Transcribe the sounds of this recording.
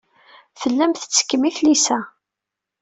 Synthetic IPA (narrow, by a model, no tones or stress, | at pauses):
fəlːæmθə̥t͡sːə̥kːəmiθlisæ